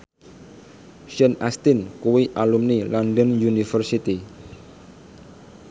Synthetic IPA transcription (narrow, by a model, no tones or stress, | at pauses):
ʃənast̪inkuwiʔalumnilandənjunifərsit̪i